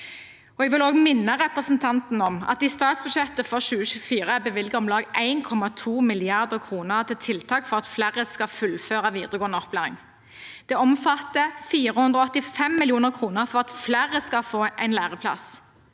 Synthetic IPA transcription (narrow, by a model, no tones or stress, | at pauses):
ɔɛɡʋɪloːɡmɪnːəʁɛpʁəsən̩t̪ʰɑnt̪n̩ɔmɑ̰t̪d̪iːst̪ɑːt̪sbʉd̪ʃɛt̪əfɔʁʃʉːəʃʉːfiːʁəæbəʋɪlɡəɔmlɑːɡæɪnkʰɔmɑt̪ʰuːmɪlɪɑʁd̪əkʰʁuːnəʁt̪ʰɪlt̪ʰɪlt̪ʰɑːkfɔʁɑt̪flæːʁəskɑfʉlføːʁɑʋiːd̪əʁəɡoːʁnəɔplæːʁɪŋ | d̪̥ɛːɔmfɑt̪ːəfiːɾəhʉnd̪ʁɔɔt̪ːɪfɛmːɪlɪuːnəʁkʰʁuːnəʁfɔʁɑt̪flæːʁəskɑfoːʔæɪnlæːʁəpʰlɑ̰s